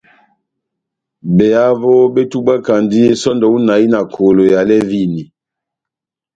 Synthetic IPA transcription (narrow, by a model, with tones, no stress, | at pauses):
bɛ˨a˦vo˦be˦tu˦ba˦ka˨ndi˦e˦sɔ˦ndɔ˨u˦na˨i˦na˨kʰo˨lo˨ja˨lɛ˦vi˦ni˨